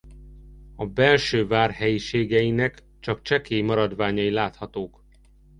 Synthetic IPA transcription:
ɒbɛlʃøːvaːrhɛjiʃeːɡɛjinɛk | t͡ʃɒkt͡ʃɛkeːjmɒɾɒd̪vaːɲɒjilaːt̪hɒt̪oːk

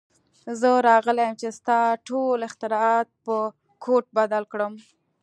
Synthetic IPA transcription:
zəɾɑɣəlajəmt͡ʃest̪ɑʈolɪxt̪ɪɾɑɑt̪̚pə | kʰoʈ̚bad̪alkɽəm

